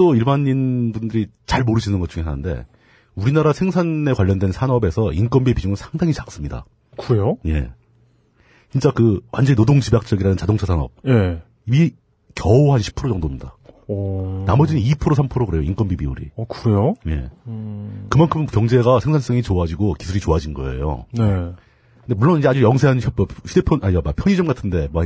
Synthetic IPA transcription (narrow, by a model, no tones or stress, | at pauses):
t͈oiɭbaɲinbundɯɾit͡ɕaɭmoɾɯd͡ʑinɯnɡʌt͡ɕ͈uŋe̞sʰanɯnde̞̰ | uɾinaɾasʰeŋsʰane̞kwaʎːʌndwe̞nsʰanʌbe̞sʰʌink͈ʌnbibid͡ʑuŋɯnsʰaŋdaŋit͡ɕak̚s͈ɯmɲida̰ | kɯɾe̞joje̞̰ | t͡ɕint͡ɕ͈akɯwʔa̰nd͡ʑʌɲinodoŋd͡ʑibjak̚t͡ɕ͈ʌɡiɾanɯnt͡ɕadoŋt͡ɕʰasʰanʌ̰p̚je | imi | kjʌoɦanɕʰi̥pʰɯɾot͡ɕʌŋdomɲida | namʌd͡ʑininipʰɯɾosʰampʰɯɾoɡɯɾe̞joink͈ʌnbibiuɾḭkɯɾe̞joje̞̰ | kɯmankʰɯmkjʌŋd͡ʑe̞ɡasʰe̞ŋsʰans͈ʌŋit͡ɕoad͡ʑiɡoki̥sʰuɾit͡ɕoɦad͡ʑinɡʌ̰ḛjo̰ne | kɯndemuɭːonid͡ʑead͡ʑujʌŋs̬ʰe̞ɦanɕʰʌʌɕʰidepʰjʌnamapʰjʌɲid͡ʑʌmɡatʰɯnde̞ma